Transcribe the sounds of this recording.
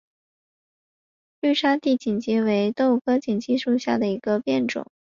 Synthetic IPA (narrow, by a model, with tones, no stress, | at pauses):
ly˥˩ʂa˥t̪i˥˩t͡ɕi˨˩nt͡ɕi˧˥we˧˥ɪt̪o˥˧ʊ˧kʰɤ˥t͡ɕi˨˩nt͡ɕi˥˧ʂu˥˧ɕja̰˥˩d̪ə˩i˧˥ɡə˧pjɛ˥˩nʈ͡ʂʊ̰˨˩˦ŋ